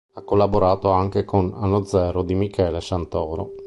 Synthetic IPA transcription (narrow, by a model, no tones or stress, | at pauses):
akːolːaboɾaːt̪oaŋkekʰona̰nːod̪zɛːɾod̪imikʰɛːlesant̪ɔːɾo̰